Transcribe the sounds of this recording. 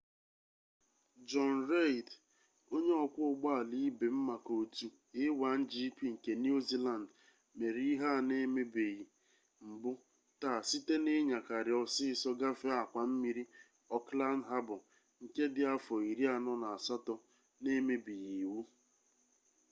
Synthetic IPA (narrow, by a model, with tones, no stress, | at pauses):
d͡ʒɔ˦nɾe˦i˨d | o˦ɲe˦ɔ˨kʷʊ˦ʊ˦ɡ͡ba˦a˨li˦be˨m̩˦ma˨ko˨tu˨ | ɪ˦wa˨˦n̩˦d͡ʒi˦kʷi˦ŋ̩˨ke˨ni˦u˦zi˦la˨n˨d | me˨ɾi˦i˦ɦa˦˨ne˦me˦be˨ɣi˨ | m̩˨bʊ˦ | ta˨si˦te˦ne˦ɲa˨ka˨ɾɪ˨ɔ˨sɪ˦sɔ˦ɡa˦fe˦a˨kʷa˨m̩˦mi˦ɾi˦ | ɔ˦kla˦nɦa˦bʊ˨ | ŋ̩˨ke˦dɪ˨a˦fɔ˨i˨ɾi˦a˨nɔ˦na˨a˨sa˦tɔ˨ | ne˦me˦bi˨ɣi˨wu˦